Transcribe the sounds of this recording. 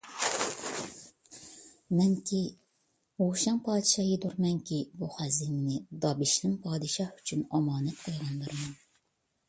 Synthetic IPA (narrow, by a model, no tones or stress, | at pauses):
mɛŋkʲʰi | oʃɑŋpʰɑːd̪ɨʃɑjid̪uɾmɛŋkʲibuχæzɪŋnɪd̪ɑbiʃlɪmpʰɑːd̪ɨʃɑħyt͡ʃʰynɑmɑːnɛt̪̚qʰɑjʁɑnb̪ɨɾɨmɑn